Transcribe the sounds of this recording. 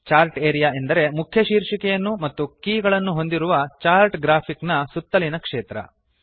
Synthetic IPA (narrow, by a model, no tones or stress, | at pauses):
t͡ʃaːɾʈeːɾijaːend̪ɐɾe̞mukʰjɐʃiːɾʂikɛjɐnːumɐt̪ːukiːɡɐɭɐnːuɦo̞nd̪iɾuʋɐt͡ʃaːɾʈɡɾaːpʰiknɐsut̪ːɐlinɐkʂeːt̪ɾɐ̰